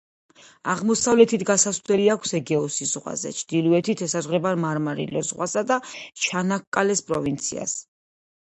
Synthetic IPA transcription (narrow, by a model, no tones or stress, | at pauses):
aʁmɔsavlɛt̪ʰit̪ʰɡasasd̪ɛliakʷʰsɛɡɛɔsizʁwa̰zɛ̰t͡ʃʰd̪̥iluɛt̪ʰit̪ʰɛsazʁɾɛbaɾmaɾmaɾḭlɛzʁwasad̪at͡ʃʰanakkʼːalɛspʼɾɔvint̪sʰḭa̰s